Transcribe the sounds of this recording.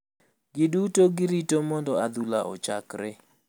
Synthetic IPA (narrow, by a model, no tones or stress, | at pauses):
ɡɪdutoɡɪɾitomɔndɔad̪ulaʔɔ̰t͡ʃakɾɪ